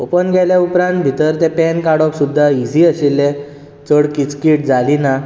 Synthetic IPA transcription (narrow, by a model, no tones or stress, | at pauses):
opənɡʱɛljaupɾãnt̪̚bʱit̪əɾt̪epɛnkaɽɔksud̪ʱːaid͡zʱiəɕilːe | t͡səɽkit͡skiʈ̚d͡zalina